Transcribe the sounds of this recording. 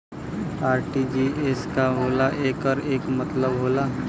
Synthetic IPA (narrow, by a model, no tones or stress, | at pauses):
aːɾʈid͡ʒiʔeːskaɦoːlaʔeːkəɾeːkmɐt̪ləbɦoːla